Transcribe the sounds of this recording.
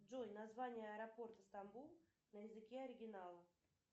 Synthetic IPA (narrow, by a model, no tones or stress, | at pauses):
ʐojnɐzvanʲɪjəɐɾɐpo̞rt̪əst̪ɐmbulˠ | nəjɪzɨkʲeɐɾʲɪɡʲɪnalˠə